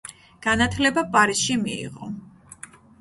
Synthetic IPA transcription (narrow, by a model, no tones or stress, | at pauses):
ɡ̥anat̪ʰlɛbapʼaɾisʃimiḭʁɔ